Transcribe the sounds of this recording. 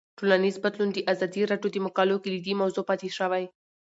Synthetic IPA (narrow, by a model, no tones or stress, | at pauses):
ʈolanizbad̪lund̪əʔazɑd̪iɾɑɖjod̪əmʊkɑloked̪əd̪imawzopɑt̪eʃəwaj